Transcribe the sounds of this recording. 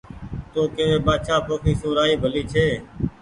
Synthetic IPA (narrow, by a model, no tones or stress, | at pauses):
t̪õːkeːʋeːɓaːʃaːpʰoːkʰiːsõːɾaːiːbʱəliːt͡ʃʰeː